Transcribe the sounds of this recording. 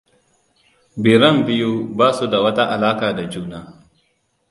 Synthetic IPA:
bi˨ɾɐ˦˨mbɪ˦ju˦baː˦su˦da˨wɐ˦ta˦ʔa˨laː˦kaː˨da˨d͡ʒuː˦naː˦

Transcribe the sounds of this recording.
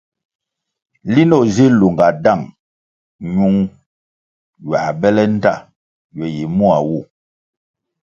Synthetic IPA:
li˦nɔ˦˨zi˦lu˨ŋɡa˨da˦˨ŋ | ɲu˦ŋ | ɥa˨bɛ˦lɛ˦n̩˦ta˦˨ | jɔ˨ji˨mu˦a˨wu˦˨

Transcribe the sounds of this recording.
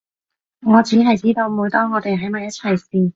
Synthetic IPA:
ŋɔː˨˧t͡siː˨˥ɦɐ˨jt͡siː˥t̪o˧wmuː˨˧jt̪ɔː˥ŋːɔː˨˧t̪e˨jɦɐ˨˥jmaː˨jɐ˥t̚t͡sʰɐ˨˩jsiː˧

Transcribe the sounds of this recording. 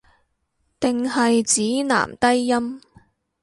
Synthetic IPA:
t̪ɪ˨ŋhɐ˨jt͡siː˨˥na̰ː˨˩mt̪ɐ˥jːɐ˥m

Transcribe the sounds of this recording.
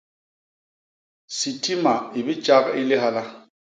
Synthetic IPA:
si˨tʰi˦ma˨i˨bi˦t͡ʃa˦kɪ˦lɪ˦ɦa˦la˦

